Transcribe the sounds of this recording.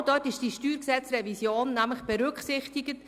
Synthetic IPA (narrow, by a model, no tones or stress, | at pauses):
d̥œtɪʃd̥iʃtyːɾksɛt͡srɛvisjoːnːæmləχb̥ɛɾʏkχsɪχtɪɡət